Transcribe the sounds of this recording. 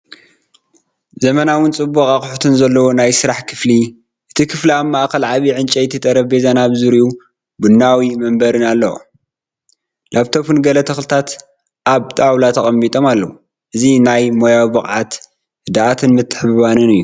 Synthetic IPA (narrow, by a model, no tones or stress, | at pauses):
zɐmɐnawɨnt͡sʼɨbːukʼaχʼʊħt̪ʰɨnzɐlːɐwo̞najsɨɾaħkʰɨfli | ʔɨt̪ʰikʰɨfliaβmaʔkɐlʕaβiʕɨnt͡ʃʼɐjt̪ʰːɨt̪ʼɐɾɐfbezanaβzɨɾiu | bɨnːawimɐmbɐɾɨnalːɐo̰ | lʔaβt̪ʰofɨnɡɐlɐt̪ʰɐxlɨt̪ʰat̪ | ʔaβt̪ʼawlat̪ʰɐχʼɐmːit̪ʼo̞malːɐwu | ʔɨzinajmo̞jawibɨχʼʕat̪ | ɨd̪aʔat̪ʰɨnmɨt̪ʰːɨ̥ħββanɨnɨjːu